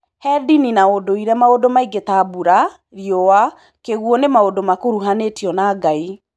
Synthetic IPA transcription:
hɛdininaodoiɾɛmaodomaiɡetabuɾa | ɾiɔwa | keɣwɔnemaodomakoɾuɦanetiɔnaːɡai

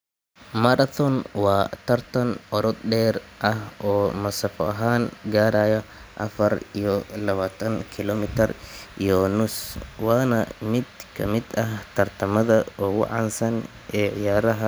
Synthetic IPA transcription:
mɐɾɐθʰɔnwɑːt̪ʰɐrt̪ʰɐnʔɔɾɔd̪ɖɛːrʔɐhʔɔːmɐsɐfɔɐɦaːnɡaːɾaːjɐʔɐfɐrijɔlɐβaːt̪ʰɐŋkʰɪlɔmɪt̪ʰɐrijɔnʊswɑːnɐmɪd̪kʰɐmɪd̪ɐht̪ʰɐrt̪ʰɐmɐðɐɔːwɑ̰ʕɑnsɐn | ʔɛːʕɪ̰jaːɾɐɦɐ

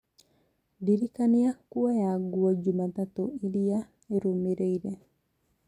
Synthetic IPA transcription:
diɾikaniakuajaɡuad͡ʒumat̪at̪oilia | eɾumeɾeiɾe

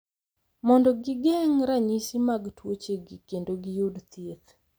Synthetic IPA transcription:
mɔndɔɡɪɡeŋɾaɲisimaɡtwot͡ʃeɡikendoɡɪjudt̪jet̪

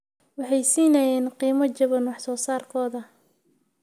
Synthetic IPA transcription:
wɑħɑjsiːnɐjɛːnqiːmɐt͡ʃɐβɐnwɑħsɔːsaːrkʰɔːðɐ

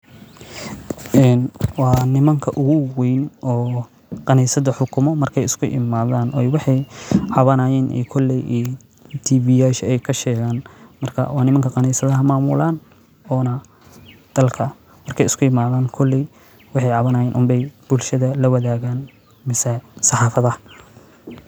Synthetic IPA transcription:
ʔɛːnwɑːnɪmɐŋkʰɐʔʊɣʊwɛjnʔɔː | qɑniːsɐðɐħʊkʰʊmɔmɐrkʰɛjɪskʰʊʔɪ̰maːðaːnʔɔwɑħɑjʕɑβɐnaːjɛːnʔɛ̰ːkʰɔlɛjʔɛː | t̪ʰiːvijaːʃɛjkʰɐʃɛːɣaːnmɐrkʰɐ̰wɑːnɪmɐŋkʰɐqɑniːsɐðɐɦɐmaːmʊ̰laːn | ɔːnɐ | d̪̥ɐlkʰɐ | mɐrkʰɛjɪskʰʊɪmaːðaːnkʰɔlːɛj | wɑħɑjʕɑβɐnaːjɛːnʔʊmbɛjb̥ʊlʃɐðɐlɐwɐðaːɣaːn | mɪsɛsɑħɑːfɐðɐ

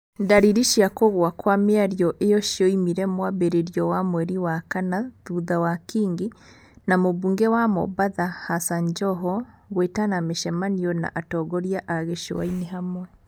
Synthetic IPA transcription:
ndaɾiɾiʃiakoɣwakwameaɾjɔʔejɔʃiɔimiɾɛmwaβeɾeɾjɔwamwɛɾiwakanaðuðawakiːŋɡi | namoβuːŋɡɛwamo̰βaðahasaɲd͡ʒɔɦɔ | ɣwetanameʃɛmanijɔna̰ʔatɔɡɔɾjaʔaaɣeʃo̰wa̰ineɦamwɛ

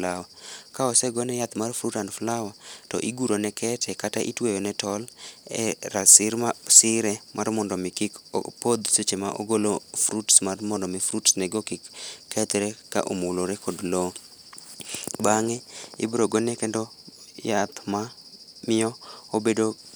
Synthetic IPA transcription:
lawakaɔsɛɡɔnɛjat̪marfɾutanflawatɔ̰ʔiɡuɾonɛkʰɛtʰɛkataʔḭtwejɔnɛtɔlɛ̰ɾasɪɾmasɪɾɛmʔarmɔndɔmɪkɪkpod̪sot͡ʃemaʔo̰ɡolofɾutsmarmɔndɔmifɾutsnɛɡokɪkːɛt̪ɾɛka̰ʔomuloɾɛkʰodlo | baŋɛɪ̰bɾoɡɔnɛkɛndɔ | jat̪mamɪjɔobedo

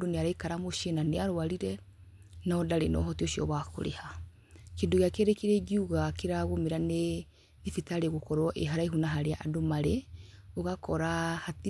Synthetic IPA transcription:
doneaɾaikaɾamoʃenaneaɾoaɾiɾɛ | nɔdaɾenɔ̰ɦɔtioʃiɔ̰βako̰ɾḛha | kendoɣeakɛɾɛkeɾɛɡiuɣakeɾaɣomeɾane | efitaɾeɣokɔɾwɔʔeɦaɾaiɦunaɦaɾeaʔadomaɾeoɣakɔɾahat

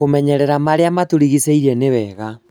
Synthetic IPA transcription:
omɛɲɛɾɛɾamaɾeamatoɾiɣisɛiɾɛneβɛɣa

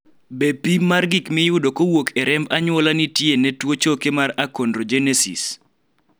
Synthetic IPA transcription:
bepimarɡɪkmɪjʊdokowokʰɛɾɛmbaɲwɔlanitjenɛtwot͡ʃokemaɾakondrod͡ʒenesḭs

